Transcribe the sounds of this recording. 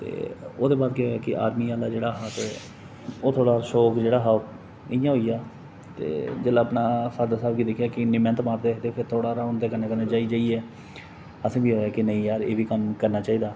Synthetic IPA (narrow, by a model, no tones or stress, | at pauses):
t̪ḛːo̰ːd̪eːbaːd̪keɦoːjaːkɪʔa̰ːɾmiːaːlaːd͡ʒeːɽaːɦaːt̪eː | oːt̪ʰoːɽaːʃoːkd͡ʒeːɽaːɦao | ɪjãːɦoːiːaː | t̪ḛːd͡ʒəːlaːəpnaːsəɾd̪asaːbɡiːd̪ɪkʰːjaːkɪnɪmɛ̃ːnt̪maːɾd̪eːt̪eːpʰɪɾt̪ʰoːɽaːɾaːʊnd̪eːkəneːkənẽːt͡ʃaːiːd͡ʒaːiːɛː | əsĩːbiːɦoːjaːkɪnəĩːjaːɾeːʋiːkəmkəɾnaːt͡ʃaːiːd̪aː